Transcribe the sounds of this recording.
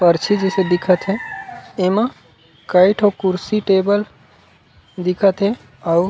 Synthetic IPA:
pəɾt͡ʃʰid͡ʒesed̪ikʰət̪ɦẽemã | kəɪʈʰɦokuɾsiʈebəl | d̪ikʰət̪ɦe | a

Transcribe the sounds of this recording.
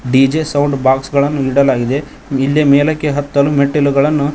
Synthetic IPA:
ɖiːd͡ʒesɐwɳɖbaːksɡɐɭɐnːuiɽɐlaːɡid̪e̞ | ilːemɛːlɐkːeɦɐt̪ːɐlumeʈːiluɡɐɭɐnːu

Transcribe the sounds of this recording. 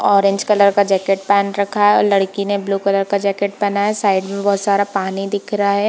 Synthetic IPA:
ɔːɾẽɲd͡ʒkɐləɾkad͡ʒɛːkeʈ̚pɛːnɾɐkʰaɦɛɔ̰ːɾlɐɽkinebluːkɐləɾkad͡ʒɛːkeʈ̚bɐnaɦɛsaːɪɖmẽbɔɦʊt̪saːɾapaːnid̪ɪkʰɾɐɦaɦɛː

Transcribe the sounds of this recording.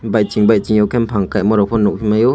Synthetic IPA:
bajt͡ʃiŋbajt͡ʃiŋjɔkʰɛmpʰaŋkajmɔɾɔpʰɔnɔk̚hʰimajɔ

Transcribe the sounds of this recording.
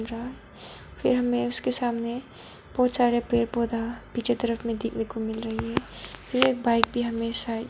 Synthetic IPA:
ɾɐɦaɦɛ | fʰɪɾɦɐmẽʊskesaːmne | b̥ɔːt̪saːɾepɾeːɾpoːd̪ʱapiːt͡ʃʰet̪əɾəfmẽd̪ɪkʰnekomɪlɾɐɦiɦɛːpʰɪɾeːk̚baːɪk̚bʱiɦɐmesa

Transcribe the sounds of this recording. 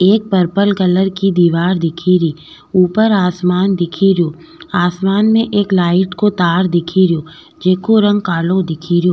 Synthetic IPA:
eːk̚pəɾpəlkələɾkid̪iːʋaːɾd̪ɪkʰiɾiː | uːpəɾaːsmaːnd̪ɪkʰiɾijoː | aːsmaːnmẽʔeːklaːɪʈkot̪aːɾd̪ɪkʰiɾijoː | d͡ʒeːkoɾɐ̃ŋɡ̚kaːlod̪ɪkʰiɾijoː

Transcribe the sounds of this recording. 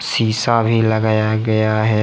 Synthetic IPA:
siːsabʱilɐɡaːjaɡɐjaɦɛː

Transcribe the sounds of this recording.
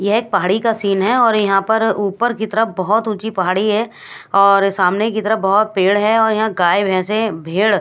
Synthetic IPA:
jɐɦeːk̚pɐɦaːɽikasiːnɦɛɔːɾjɐɦãpɐɾuːpəɾkit̪ɐɾəbɐɦʊt̪ʊt͡ʃipɐɦaːɽiɦɛ | ɔːɾsaːmnekit̪əɾəbɐɦʊt̪̚peːɽɦɛɔːɾjɐɦãɡaːebʱɛ̃ːsebʱeːɽ

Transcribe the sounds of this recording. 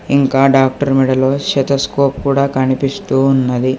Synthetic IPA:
iŋkaːɖaːk̚ʈɐɾmiɽɐloːʃɛt̪ɐskoːp̚kuːɽaːkɐnipist̪uːunːɐd̪i

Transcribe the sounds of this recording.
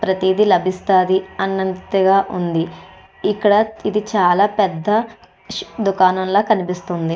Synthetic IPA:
pɾɐt̪iːd̪ilɐbʱist̪aːd̪iɐnːɐnt̪ɐɡaːʔund̪i | ikːɐɽɐid̪it͡ʃaːlaːpɛd̪ːɐ | d̪ukaːnɐnlo̞ːkɐnipist̪und̪i

